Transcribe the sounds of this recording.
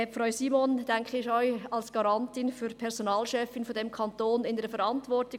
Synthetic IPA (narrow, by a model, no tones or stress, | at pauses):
ɛpfʁaʊsiːmond̥ɛŋkχəɪʃɔʏɑlsɡ̥aɾɑntɪnfyɾpʰɛʁsonɑːlʃɛfːɪnfodɛmkʰɑntoːnɪnəɾəfɛɾɑntvʋɔrtɪ